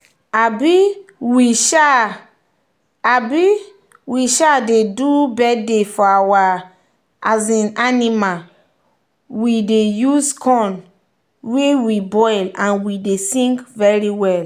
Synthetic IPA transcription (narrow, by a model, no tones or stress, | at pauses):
abiwiʃa | abi | wiʃadedubɛdefɔawa | azĩnanima | widejuskʰɔ̃n | wewibɔjlãnwidesĩŋkvɛɹiwɛl